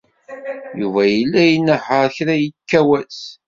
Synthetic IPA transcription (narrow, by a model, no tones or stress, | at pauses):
juvæjəlːæjənːəħəɾˤçɾæjəkːæwæs